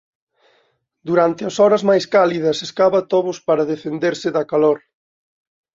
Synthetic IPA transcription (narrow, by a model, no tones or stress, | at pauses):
d̪uɾant̪ɪɐsɔɾɐzmajskaliðɐseskaβɐt̪oβʊspaɾɐðefend̪eɾsɪðɐkaloɾ